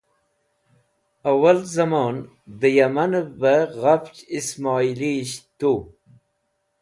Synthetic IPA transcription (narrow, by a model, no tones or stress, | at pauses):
awalzamoːn | d̪əjamanbaɣaft͡ʃismɑːiliɕt̪u